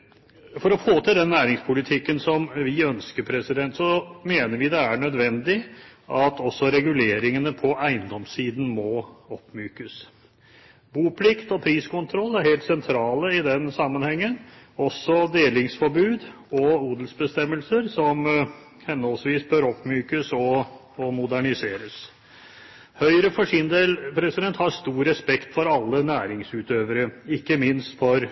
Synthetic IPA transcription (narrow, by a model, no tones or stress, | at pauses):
fɔɾɔfoːt̪ʰɪld̪ɛnːæːɾɪŋspʰʊlɪt̪ʰɪkːənsɔmʋɪœnskəɾpʰɾɛsɪd̪ɛnt̪sɔmeːnəɾʋɪd̪ɛæɳœd̪ʋɛnd̪ɪʔɑt̪ɔsːɔɾɛɡʉleːɾɪŋənəpʰɔæɪənd̪ɔmsiːd̪n̩mɔɔpːmyːkəs | buːpʰlɪkt̪ɔpʰɾiːskʊnt̪ʰɾɔlːæɾheːlt̪sɛnt̪ʰɾɑːləɪd̪ɛnsɑmːənhɛŋːənɔsːɔd̪eːlɪŋsfɔɾbʉːd̪ | ɔuːd̪lsbəst̪ɛmːəlsəɾsɔm | hɛnːɔlsʋiːsbøɾɔpmyːkəsɔː | mʊd̪æɳɪseːɾəs | hœʏəɾəfɔʂɪnd̪eːlpʰɾɛsɪd̪ɛnt̪hɑʂt̪uːɾɾɛspɛkt̪fɔɾɑlːənæːɾɪŋsʉːt̪øːʋəɾəɪkːəmɪnst̪fɔɾ